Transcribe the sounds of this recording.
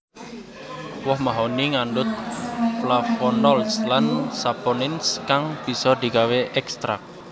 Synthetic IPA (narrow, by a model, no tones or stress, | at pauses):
wɔhmaɦɔniŋaɳɖʊt̪̚flafɔnɔlslansapɔnɪnskaŋb̥i̤sɔd̪̥i̤kaweʔɛkst̪ɾa̰k̚